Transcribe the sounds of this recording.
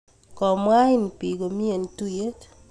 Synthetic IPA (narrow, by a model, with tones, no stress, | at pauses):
kɔ˨mwa˦ɪ˦n˨pi˨ɡo˨mi˦e˨n˨tu˦je˦t